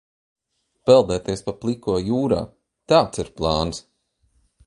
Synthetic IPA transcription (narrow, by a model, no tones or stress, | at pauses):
pɛlˠd̪ɛːt̪iɛspaplˠikuɔjuːɾa̰ː | t̪aːt̪siɾplˠɑːns